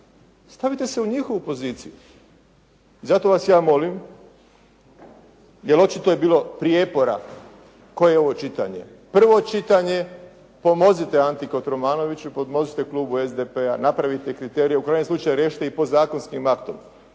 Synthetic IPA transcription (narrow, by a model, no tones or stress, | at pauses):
st̪aʋit̪e̞seuɲixo̞ʋupo̞ziːt̪siju | izat̪o̞ʋasjaːmo̞lim | jelo̞t͡ʃit̪ojebiːlo̞pɾije̞po̞ɾa̰ | ko̞jeo̞ʋo̞t͡ʃit̪a̰ɲe̞̰ | pr̩ʋo̞t͡ʃit̪aɲe̞ | po̞mo̞zit̪eant̪ikot̪ɾomaːno̞ʋit͡ɕuipod̪mo̞zit̪e̞kluːbuezd̪epeanapɾaʋit̪ekɾit̪e̞ːɾijeukɾajɲeslut͡ʃajuɾeːʃi̥t̪eipozaːko̞nskimakt̪om